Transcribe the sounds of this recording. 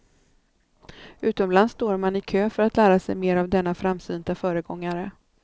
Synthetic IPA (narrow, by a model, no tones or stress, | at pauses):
ʉ̟ːt̪ɔmlanst̪oːɾmanɪkʰøːfœɾat̪læːɾasɛ̰jmeːɾavd̪ɛnːafɾamːsyːnt̪afœːɾəɡɔŋːaɾə